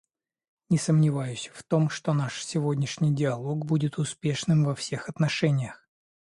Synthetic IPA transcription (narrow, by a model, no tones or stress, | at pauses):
nʲɪsəmnʲɪvajʉɕʲə̥ft̪o̞mʂt̪o̞naʂsʲɪvo̞dʲnʲɪʂnʲɪjdʲɪɐlˠo̞ɡbudʲɪt̪ʊspʲeʂnɨmvɐfsʲe̞xɐt̪nɐʂɛnʲɪjəx